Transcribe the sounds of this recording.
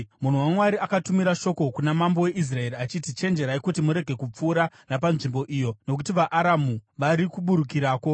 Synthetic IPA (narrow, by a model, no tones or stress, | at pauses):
mun̤uwamwaɾiakatumiɾaʃo̞ko̞kunamambo̞we̞ʔis̬rae̞ɾiat͡ʃitit͡ʃe̞nd͡ʒe̞ɾaikutimuɾe̞ɡʱe̞kup͡fuːɾanap̬anʐimbo̞ʔijo̞no̞k̬utiʋaʔaɾamuʋaɾikuɓuɾuk̬iɾaːko̞